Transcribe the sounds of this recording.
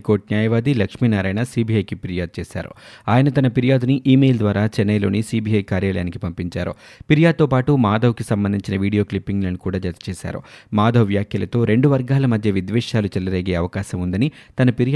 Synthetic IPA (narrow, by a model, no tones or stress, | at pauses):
koːɾʈ̚njaːjɐʋaːd̪ilɐkʂmiːnɐɾɐjnɐsiːbʱiɐjkipiɾijaːd̪̚t͡ʃeːʃa̰ːɾṵaːjɐnɐt̪ɐnɐpiɾijaːd̪uniʔiːmeːld̪ʋaːɾaːt͡ʃɛnːɐjlo̞̰ːnisiːbiːɐjkaːɾjaːlɐjaːnikipɐmpiɲt͡ʃa̰ːɾṵpiɾjaːd̪̚t̪oːpaːʈumaːd̪ɐʋkisɐmbɐnd̪ʱiɲt͡ʃinɐʋiːɽijo̞ːklipːiŋɡlɐːnikuːɽaːd͡ʒɐt̪ɐ̥t͡ʃɛːʃa̰ːɾṵmaːd̪ʱɐʋʋjaːkʰjɐlɐt̪o̞ːɾe̞ɳɖuʋɐɾɡaːlɐmɐd̪ʱjɐʋid̪ʋɛːʂaːlut͡ʃɛlɐɾeːɡe̞ːɐʋɐkaːʃɐmund̪ɐnit̪ɐnɐpiɾj